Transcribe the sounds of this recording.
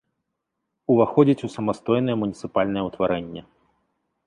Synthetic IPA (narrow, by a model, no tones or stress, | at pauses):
uvaxɔd͡zʲit͡sʲusɐmast̪ɔjn̪ɐjɛmunʲit̪sɨpalʲnɐjɛwt̪vaɾɛnʲːɛ